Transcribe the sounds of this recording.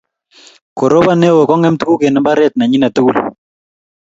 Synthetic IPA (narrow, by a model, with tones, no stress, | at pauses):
ko˨ɾo˦ba˦˨nɛ˦wo˨kɔ˦ŋɛ˦mtu˦ku˦ke˨nɛ˦mba˦ɾɛ˦˨t̚na˨ɲi˦na˨tu˦ku˦l